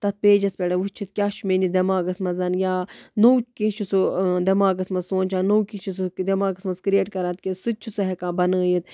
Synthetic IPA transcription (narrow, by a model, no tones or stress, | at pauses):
t̪ɐt̪̚peːd͡ʒɐspʲeɽɐut͡ʃʰit̪kʲaːʃʰumenid̪ɐmaːɡɐsmɐzɐnjaːnowkit͡ʃʰusud̪ɐmaːɡɐsmɐzsoːnʲt͡ʃʰaːnowkit͡ʃʰusd̪ɐmaːɡɐsmɐskɾieːʈkɐɾaːt̪kʲesut̪̚ʲt͡ʃʰusɐɦekãːbɐnəːjit̪̚